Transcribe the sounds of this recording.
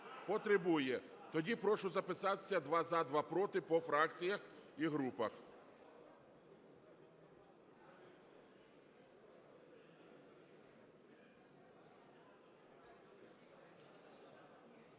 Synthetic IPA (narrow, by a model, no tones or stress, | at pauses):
pɔt̪ɾebujɛt̪ɔdʲipɾɔʃʊzɐpɪsɑt̪e̥sʲːɐd̪ʋɑzad̪ʋɑpɾɔt̪ɪpɔfɾɑkt͡sʲijɐxiɦɾupɐx